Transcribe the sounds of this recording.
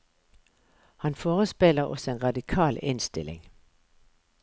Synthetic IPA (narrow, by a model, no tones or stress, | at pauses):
hɑnfɔːʁəsb̥el̰ɐʔɔ̽senʁɑ̈dikʰɑ̰ːle̝nsd̥ɪleŋ